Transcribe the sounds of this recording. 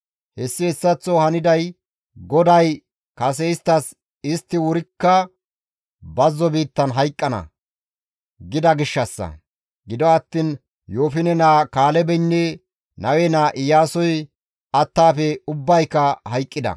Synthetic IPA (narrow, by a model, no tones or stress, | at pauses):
hɛsːɪɛsːɐt͡sːɔhɐnɪd̪ɐj | ɡɔd̪ɐj | kɐs̬ɛɪst̪ːɐs | ɪst̪ːɪwʊɾɪkːɐ | bɐzːɔbiːt̪ːɐnɦɐjkʼːɐnɐ̰ | ɡɪd̪ɐɡɪʃːɐsːɐ̰ | ɡɪd̪ɔɐt̪ːin | joːfɪnɛnaːkaːlɛbɛnːɛ | nɐwɛnaːʔɪjaːsɔj | ɐt̪ːaːfɛʊbːɐjkːɐhɐjkʼːɪd̪ɐ̰